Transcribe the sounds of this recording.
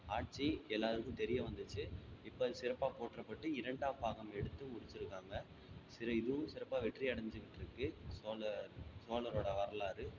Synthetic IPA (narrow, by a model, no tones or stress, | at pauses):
aːʈ̚t͡ʃiɛlːaːɾɯɣɯ̃mt̪ɛɾɪjɐʋɐnd̪ɯt͡ʃːɯɪpːoːsɪɾɐpːaːpoːʈrɐpːɐʈːɯɪɾɐɳɖaːpaːɣɐmɛɽɯt̪ːɯmʊɽɪt͡ʃːɪɾɯkːaːŋɡɐ | sɪɾɐɪðɯʋɯ̃sɪɾɐpːaːʋɛʈːriɐɽɐɲd͡ʒɯkɪʈːɾɯkːɯsoːlɐsoːlɐɾoːɽɐʋɐɾɐlaːɾɯ